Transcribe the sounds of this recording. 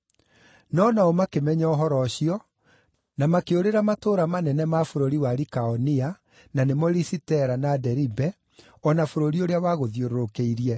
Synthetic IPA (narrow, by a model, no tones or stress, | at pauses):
nɔnaomakemɛɲaɔɦɔɾɔɕiɔ | namakeoɾeɾamatoːɾamanɛnɛmafoɾoɾiwaɾikaɔnia | nanemɔɾisitɛɾanadɛɾibɛ | ɔnafoɾoɾioɾeawaɣoðjoɾoɾokeiɾiɛ